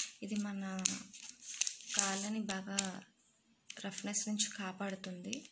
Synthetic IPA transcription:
id̪imɐnɐ | kaːlɐnibaːɡaː | ɾɐfnesnuɲt͡ʃi̥kaːpaːɽut̪und̪i

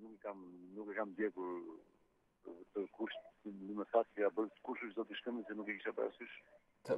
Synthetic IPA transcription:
nukɛkamnukɛkamd̪jɛkuɾ | t̪əkuɾʃt̪nəmɛsat̪ɛabəlt̪ə̥kuɾʃəʃzɔt̪iʃkəmənsɛnukɛkiʃapaɾa̰syʃ | t̪

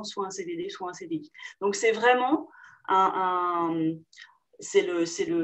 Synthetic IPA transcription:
swãɛ̃sed̪ed̪eswãɛ̃sed̪eid̪̥ɔ̃ksɛvʁɛmɑ̃ɛ̃ʔɛ̃ | sɛləsɛlə

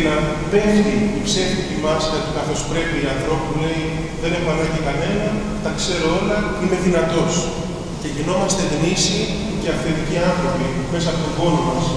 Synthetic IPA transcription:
nɐ | pe̞ft̪iipse̞ft̪ip̪imɐsɐt̪ikɐθo̞spɾe̞piiɐnθɾo̞pule̞i | ðe̞neɣɐnɐcekɐne̞nɐ | t̪ɐkse̞ɾo̞elɐ | ine̞ðinɐt̪o̞s | ce̞ʝino̞mɐst̪e̞ɣnisi | ceɐfθet̪iciɐnθɾo̞pi | me̞sɐːpot̪oɡo̞lomɐs

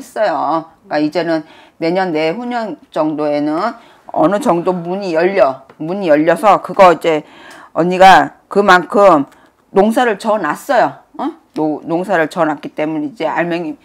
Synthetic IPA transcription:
es͈ʌjok͈aid͡ʑe̞nɯnːe̞ɲʌnːe̞ɸuɲʌnt͡ɕʌŋdoe̞nɯn | ʌ̰nɯt͡ɕʌŋdomuɲijʌʎːʌmuɲijʌʎːʌsʰʌkɯɡʌid͡ʑe̞ | ʌɲiɡa | kɯmankʰɯm | noŋsʰaɾɯɭt͡ɕʌnas͈ʌjo | onoŋsʰaɾɯɭt͡ɕʌnak͈it͈e̞muɲeid͡ʑe̞a̰ɭmjʌŋi

